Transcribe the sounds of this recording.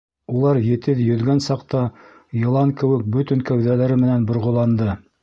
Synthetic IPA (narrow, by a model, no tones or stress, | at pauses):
ulˠɑɾjɘ̆t̪ɘðjɵ̆ðɡænsɑqt̪ɑ | jɤ̆lˠɑŋkɘ̆wɘk̚bɵt̪ɘŋkæwðælæɾɘmɘ̆nænbŏɾʁŏlˠɑnd̪ɤ